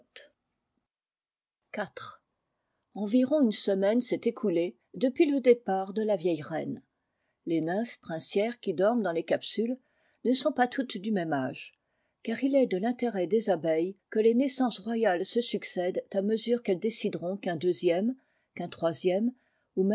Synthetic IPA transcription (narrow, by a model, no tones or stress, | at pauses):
kat̪χ | ɑ̃viʁɔ̃ynsəmɛnsɛt̪ekʰule | d̪əpɥiləd̪epaʁd̪əlavjɛjʁɛn | lenəfpχɛ̃sjɛʁkʲid̪ɔʁmd̪ɑ̃lekapsyl | nəsɔ̃pat̪ʰut̪d̪ymɛmaʒ | kaʁilɛd̪əlɛ̃t̪eʁɛd̪ezabɛjkəlenɛsɑ̃sʁwajalsəsyksɛd̪t̪aməzyʁkɛld̪esid̪ʁɔ̃kɛ̃d̪øzjɛm | kɛ̃t̪χwazjɛm | umɛ